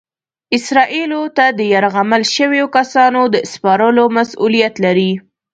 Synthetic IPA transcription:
ɪsɾɑʔilot̪ad̪əjaɾɣaməlʃəwejokasɑnod̪əspɑɾəlomasulijat̪laɾi

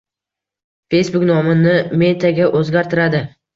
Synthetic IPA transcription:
fe̞jsbʊknɒmɪnɪme̞t̪ʰaɡʲaʔɵzɡʲaɾt̪ʰɪɾad̪ɪ

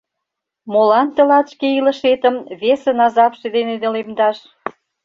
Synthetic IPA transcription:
molɑnt̪ə̆lɑt̪ʃkeilə̆ʃet̪ə̆mβesĕnɑzɑpʃed̪ened̪elemd̪ɑʃ

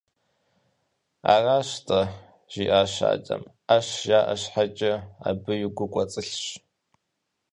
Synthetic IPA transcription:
a̰raːʃtʰʼɐ | ʒ̥iʔaːʃa̰ːd͡ʒʼɐ̰m | aʃjaːʔaɕħat͡ʃʼɪa̰bɨɥʊɡʷʊkʷʼɐt͡sʼɨɬɕ

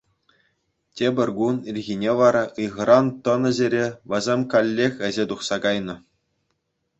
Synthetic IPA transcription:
tʲebʲɘ̆rʲɡunilʲɣʲinʲeʋɑɾɑɯjʁɤ̆ɾɑnt̪ɤ̆nɘ̆ʑeɾʲeʋɤ̆zʲemʲkɑlʲːexʲɘ̆zʲet̪uχsɑɡɑjnɤ̆

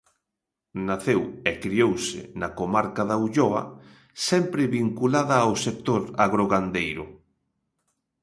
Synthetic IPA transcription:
naθewekɾiowsɪ̰nɐkomaɾkaðauʎɔɐ̰ | sɛmpɾɪβiŋkulaðɐːwsek̚t̪oɾaɣɾoɣand̪ejɾʊ̰

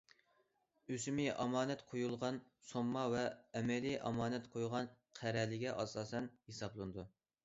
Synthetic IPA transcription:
øsymɪʔɑmɑːnɛt̪qʰojulˠʁɑnsomːɑvɛːmɛliʔɑ̰mɑːnɛt̪qʰojʁɑnqʰæɾɛlɪɡʲɛʔɑsɑːsɛnhesɑblˠɨnɨd̪u

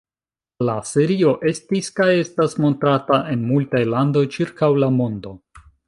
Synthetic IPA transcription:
lase̞ɾio̞ʔe̞stiskaje̞stasmo̞ntɾataʔe̞nmultajlando̞jt͡ʃiɾkawlamo̞ndo̞

